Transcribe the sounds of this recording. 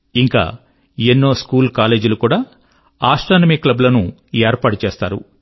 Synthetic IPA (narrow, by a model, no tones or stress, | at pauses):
iŋka̰ː | enːo̞ːskuːlkaːleːd͡ʒulukuːɽaː | aːʂʈaːnɐmiklɐblɐnu | ɛːɾpaːʈut͡ʃeːst̪a̰ːɾṵ